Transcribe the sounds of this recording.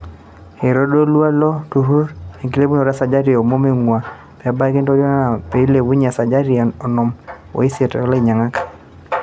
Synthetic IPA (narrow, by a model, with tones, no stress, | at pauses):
he˨ɾo˦do˦lwa˦lɔ˦tu˨ɦu˦ɾe˨ŋki˦le˦bu˦no˨ɾa˦sa˨d͡ʒa˦ɾɪ˨o˨mo˦me˦ŋwa˨ | pɛ˨a˨˦ba˦ɡe˦nto˦dɔ˦na˦na˨pe˨i˦le˨wu˦ɲa˨sa˨d͡ʒa˦ɾi˦˨ɔ˨nɔ˨m | o̰˨i˦se˨tɛ̰˨ɔ˦le˦˨ɲa˨ŋa˦kḁ˨